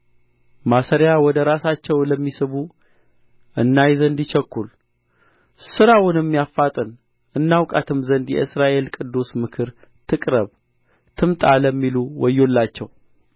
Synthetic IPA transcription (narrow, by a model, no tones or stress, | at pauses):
masəɾjawɔd̪əɾasat͡ʃːɛwləmːisɨβu | ʔɨnːajzənd̪it͡ʃɛkːul | sɨɾawʊnɛmːijafːat̪ʼɨn | ʔɨnːawkʼat̪ʰɨmzənd̪jɛ̰ɨsɾaʔe̞lkʼɨd̪ːusmɨkʰɨɾ | t̪ʰɨkʼɾəβ | t̪ʰɨmt̪ʼaləmːiluwɔjːo̞lːat͡ʃːɛw